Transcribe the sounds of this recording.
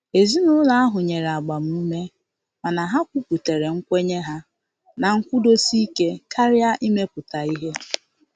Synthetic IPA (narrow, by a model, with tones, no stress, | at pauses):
e˨zi˦nʊ˦la˨a˦ɦʊ˨ɲe˨ɾa˨ɡ͡ba˨m̩˨˦u˦me˦ | ma˨na˨ɦa˦kʷu˦pu˨te˨ɾe˨ŋ̩˦kʷe˦ɲe˦ɦa˦ | na˨ŋ̩˦kʷʊ˦do˦si˦ke˦ka˦ɾja˦ʔi˦me˦pʊ˨ta˨i˦ɦe˦